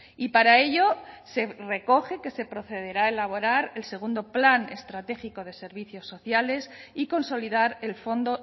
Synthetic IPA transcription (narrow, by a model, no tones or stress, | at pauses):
ipaɾae̞ʎose̞re̞ko̞xe̞ke̞se̞pɾo̞θe̞ð̞e̞ɾaelaβ̞oɾaɾe̞lse̞ɣ̞und̪o̞plane̞̰st̪ɾat̪e̞xiko̞ð̞e̞se̞ɾβ̞iθjo̞sːo̞θjale̞siko̞nso̞liðaɾe̞lfo̞nd̪o̞